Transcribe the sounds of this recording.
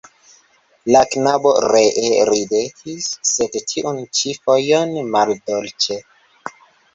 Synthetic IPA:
laknabo̞ɾeʔeɾibetʰisːe̞dtʰiʔunt͡ʃifojonmaldolt͡ʃe

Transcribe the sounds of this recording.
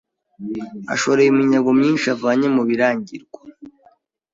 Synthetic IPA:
a̰ʃo̞ɾejimiɲaɡo̞mɲiːnʃavaːɲe̞muβiɾaːɲɟiɾɡwḁ

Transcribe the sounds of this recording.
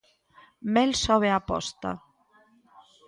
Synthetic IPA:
mɛlsɔβeapɔ̰st̪a̰

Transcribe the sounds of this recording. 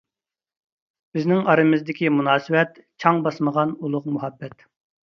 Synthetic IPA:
b̥ɪznɪŋɑɾɨmɪzd̪ɪkʲimunɑːsɨwɛt̪t͡ʃʰɑŋbɑsməʁɑnulˠʊqmuɦɛbːɛt̪

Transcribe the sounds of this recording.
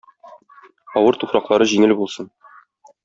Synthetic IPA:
ɒwɤɾt̪uχɾɑqlˠɑɾɤʑiŋɘlbulˠsɤn

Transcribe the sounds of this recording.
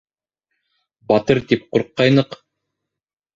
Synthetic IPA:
bɑt̪ɤɾt̪ip̚quɾqːɑjnɤq

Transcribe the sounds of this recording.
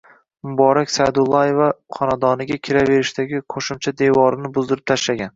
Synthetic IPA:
mʊbɒɾakʲsajd̪ʊlˠːɒjevaqʰɒnad̪ɒnɪɡʲakʲʰɪɾave̞ɾɪʃt̪aɡʲɪqʰoʃɪmt͡ʃʰad̪evɒɾɪnɪbʊzd̪ɪɾɪp̚t̪ʰaʃlaɡʲan

